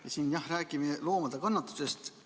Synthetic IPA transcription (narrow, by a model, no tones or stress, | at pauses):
jɑsiːnjɑhræːkimelo̞ːmɑd̪̥ekɑnːɑt̪ːˑu̥se̞st̪